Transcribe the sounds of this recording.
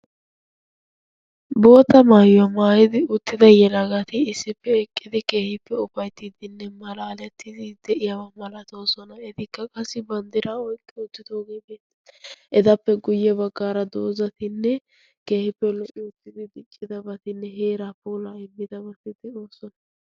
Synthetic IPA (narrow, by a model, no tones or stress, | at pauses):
bo̞ːt̪ɐmaːjʊɐmaːjɪd̪ɪʊt̪ːɪd̪ɐjɛlɐɡɐt̪ɪːsːɪpːɛɛkʼːɪd̪ɪke̞ːhɪpːɛʊfɐjt̪ːɪd̪ɪnːɛmɐlaːlɛt̪ːɪd̪ɪd̪ɛʔɪjɐwɐmɐlɐt̪o̞ːsɔnɐɛd̪ɪkːɐkʼɐsːɪbɐnd̪ɪɾʔaːɔjkʼːɛʊt̪ːɪt̪o̞ːɡe̞ːbeːt̪ːɪ̥ʔɛd̪ɐpːɛɡʊjːɛbɐɡːaːɾɐd̪o̞ːzɐt̪ɪnːɛ | ke̞ːhɪpːɛlɔʔɪʊt̪ːɪd̪ɪd̪ɪt͡ʃʼːɪd̪ɐbɐt̪ɪnːɛɦeːɾapoːlaːɪmːɪd̪ɐbɐt̪ɪd̪ɪoːsɔnɐ